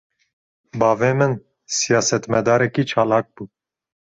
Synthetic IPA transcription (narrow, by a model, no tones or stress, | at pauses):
bɑːvemɨn | sijɑːsɛt̪mɛd̪ɑːɾɛkit͡ʃʰɑːlɑːk̚b̥uː